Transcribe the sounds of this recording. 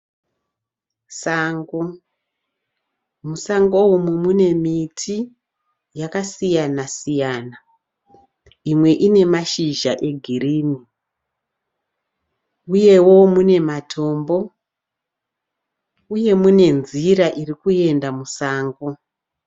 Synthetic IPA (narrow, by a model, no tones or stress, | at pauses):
saːŋɡo | musaŋɡowumumune̞mitʰi | jakasijanasijaːna | imwe̞ʔine̞maʃiʒaʔe̞ɡʱiriːni | uje̞wo̞mune̞matʰo̞ːmbo̞ | uje̞mune̞nziɾaʔirikue̞ndamusaːŋɡo